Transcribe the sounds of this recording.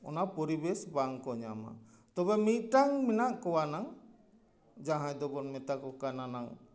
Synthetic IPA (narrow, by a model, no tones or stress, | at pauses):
ɔ̰napɔɾibɛsbaŋkɔɲama̰ | t̪ɔbɛmit̪̚ʈaŋminaʔkɔwanaŋ | d͡ʒaɦãjd̪ɔbɔnmɛt̪akɔkananaŋ